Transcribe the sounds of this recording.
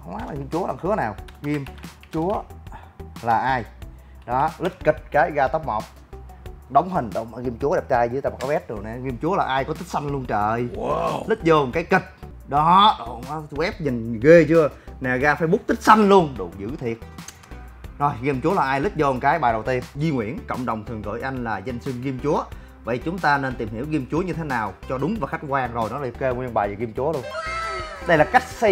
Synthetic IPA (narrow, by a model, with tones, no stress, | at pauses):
hə˧wŋ͡mwaː˦˥laː˨˩ɣi˧mt͡ɕu˨˦əlaː˨˩xɨ˨˦ənaː˨˩wɣi˧əm | t͡ɕu˨˦ə | laː˨˩ʔaː˧j | ɗɔ˨˦lɨ˦˥k̟̚ki˨˩t̚kaː˨˦jɣaː˧t̪ə˦˥wk͡p̚mə̰˨˩wk͡p̚ | ɗə˨˦wŋ͡mɦï˨˩ŋ̟ɗə˧˩wmaː˨˩ɣi˧əmt͡ɕu˨˦əɗɛ˨˩p̚t͡ɕaː˧jzɨ˧˨˦t̪aː˧˩ma˨˩kɔ˨˦ɓɛ˦˥t̚ɗɨ˨˩ənɛ˨˩ɣi˧əmt͡ɕu˨˦əlaː˨˩ʔaː˧jkɔ˨˦t̪i˦˥k̚sa˧ŋ̟lu˧ənt͡ɕəː˧˨˩jlɨ˦˥k̟̚zə˧˩nkaː˨˦jkï˨˩t̚ | ɗɔ˨˦ɗo˨˧˩wɛ˦˥p̚ɲï˨˩ŋ̟ɣe˧t͡ɕɨ˧ənaː˨˩ɣaː˧faː˧˦jɓʊ˦˥k͡p̚t̪ï˦˥k̟̚sa˧jŋ̟lu˧ənɗṵ˨˩zɨ̰˧˥t̪ʰi˨˩ət̚ | no˨˩jɣi˧mt͡ɕu˨˦əlaː˨˩ʔaː˧jlɨ˦˥k̟̚zəː˧ŋkaː˨˦jɓaː˨˩jɗə˨˩wt̪i˧ənzi˧ŋwḭ˧˩ənkə̰˧˨wŋ͡mɗə˨˩wŋ͡mt̪ʰɨ˨˩əŋɣə̰ː˧˨˦jʔa˧jŋ̟laː˨˩za˧jŋ̟swi˧əŋɣi˧əmt͡ɕu˨˦ə | və̰˧˨jt͡ɕʊ˨˦ŋ͡mt̪aː˧ne˧nt̪i˨˩mhi˧˩əwɣi˧əmt͡ɕu˨˦əɲɨ˧t̪ʰe˨˦naː˨˩wt͡ɕɔ˧ɗʊ˨˦ŋ͡mvaː˨˩xa˦˥k̟̚kwaː˧ŋzo˨˩jnɔ˨˦la˨˩˨ke˧ŋwi˧ənɓaː˨˩zə˨˩ɣi˧əmt͡ɕu˨˦əlu˧ən | ɗə˧jlaː˨˩ka˦˥jk̚si˧